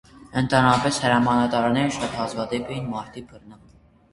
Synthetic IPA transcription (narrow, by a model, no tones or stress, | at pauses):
ənt̪ʰɑnɑpɛshəɾɑmɑnɑt̪ɑɾnɛɾəʃɑt̪hɑzɡɑd̪ɛpɛjinmɑɾt̪ʰipʰəɾnə